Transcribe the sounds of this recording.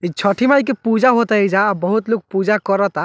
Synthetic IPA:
et͡ʃʰɔʈʰimajk̬epud͡ʒaɦot̪aed͡ʒaːbɔɦut̪luk̚pud͡ʒakɔɾɔt̪a

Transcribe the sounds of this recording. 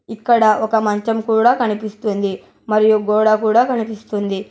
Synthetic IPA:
ikːɐɽɐʔɔkɐmɐɲt͡ʃɐmkuːɽaːkɐnipist̪und̪i | mɐɾijuɡɔːɽakuːɽaːkɐnipist̪und̪i

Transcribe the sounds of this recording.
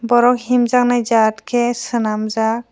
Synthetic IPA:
bɔɾɔk̚himzak̚najd͡ʒatkʰɛsɯnamza

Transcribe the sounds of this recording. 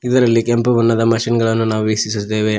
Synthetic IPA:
id̪ɐɾɐlːikempubɐnːɐd̪ɐmɐʂinɡɐɭɐnːunaːʋuʋisisid̪eːʋeː

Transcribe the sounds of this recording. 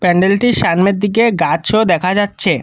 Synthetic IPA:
pɛɳɖelʈiʃanmeɾd̪ik̬eɡat͡ɕʰod̪ɛkʰad͡ʑatːɕʰe

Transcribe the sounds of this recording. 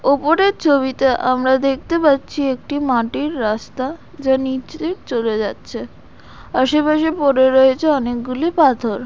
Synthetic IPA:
opoɾeɾt͡ɕʰoβit̪eʔamɾad̪ek̚ʰt̪epat̪ːɕʰiek̚ʈimaʈiɾːast̪a | d͡ʑanit͡ɕt̪eɾt͡ɕoled͡ʑatːɕʰe | aʃepaʃipɔɾeɾoet͡ɕʰeɔnek̚ɡulipat̪ʰoɾ

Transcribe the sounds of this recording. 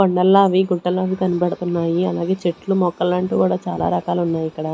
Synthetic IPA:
kɔɳɖɐlːaːʋiɡuɳʈːɐlːaːʋikɐnibɐɽut̪unːaːjiɐlaːɡe̞ːt͡ʃeʈlumɔkːɐlɐɳʈuːkuːɽaːt͡ʃaːla̰ːɾɐkaːlunːaːjikːɐɽɐ

